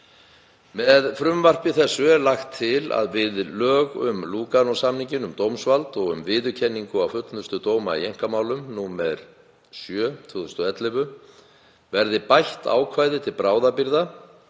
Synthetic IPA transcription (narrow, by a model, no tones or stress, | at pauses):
mɛðfɾʏmvar̥pɪθɛsːʏɛɾlaxt̪ʰːɪla̰ðvɪðlœːɣʏ̰mluːkanɔsamniɲcɪnʏmt̪owmsvalt̪ɔɣʏ̰mvɪːðʏcʰɛnːiŋkʏawfʏt̪lnʏ̥st̪ʏt̪oːwmaḭejŋ̥kamaːwlʏmnuːmɛð | sjœːt̪ʰvʏːðʏst̪ʏɛt̪lɪvʏ | vɛɾðɪpajht̪a̰ːwkʰvaːjðɪt̪ʰɪlpɾaːwðapiɾða